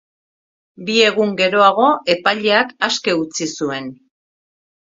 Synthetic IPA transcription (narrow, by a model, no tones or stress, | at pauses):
bie̞ɣuŋɡe̞ɾo̞aɣo̞ʔe̞paʎe̞akaske̞ut͡sisue̞n